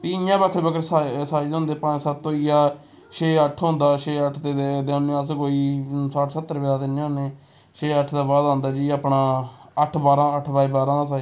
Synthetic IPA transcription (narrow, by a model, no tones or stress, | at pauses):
piːjãːbəkʰɾbəkəɾsasaːiõʊ̃ːnd̪eːpãːd͡ʒsət̪ːõːijaː | ʃeːəʈʰɦõːnd̪aːʃeːəʈʰt̪eːed̪nːẽəs̬koːiːsaːʈʰsət̪ːəɾbeːd̪aːt̪enẽːõneː | ʃeːəʈʰd̪aːbaːd̪ãːnd̪aːd͡ʒiːaːpɳaːəʈʰbaːɾãːəʈʰbaːiːbaːɾãːs̬a